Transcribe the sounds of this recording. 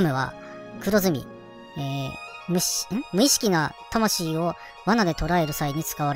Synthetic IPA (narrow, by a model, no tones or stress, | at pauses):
mɯ̟βa̰ | kɯ̟ɾo̞zɨmʲḭ | eːmɯ̟ɕmɯ̟iɕi̥kʲinat̪amaɕiːo̞ | βanad̪e̞t̪o̞ɾae̞ɾɯ̟saiɲ̟it͡sɨ̥kaβaɾe